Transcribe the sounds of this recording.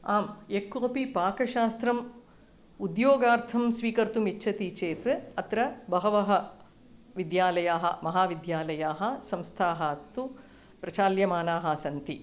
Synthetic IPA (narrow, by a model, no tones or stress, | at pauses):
aːmekːoːpipaːkɐʃaːst̪ɾɐm | ud̪joːɡaːɾt̪ʰɐmsʋiːkɐɾt̪umiːʃʰɐt̪it͡ʃeːt̪ʋɨɐt̪ɾɐbɐɦɐʋɐɦɐ | ʋid̪jaːlɐjaːɦɐ̰mɐɦaːʋid̪jaːlɐjaːɦɐ̆sɐmst̪ʰaːɦɐt̪ːu | pɾɐt͡ʃaːljɐmaːnaːɦɐsɐnt̪i